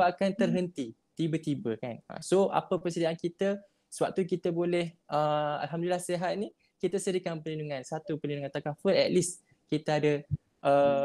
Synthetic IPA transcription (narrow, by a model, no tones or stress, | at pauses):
aakant̪ərɦənt̪i | t̪ibət̪ibəkanə̰soʔa̰pəpərsidaankit̪ə | səwa̰p̚t̪ukit̪əbolɛhəa̰lɦamdulilahseɦat̪̚ni | kit̪əsəɾikanpəlinduŋãnsat̪upəlinduŋãnt̪akafəlɛ̰t̪̚lis | kit̪əadə | ʔə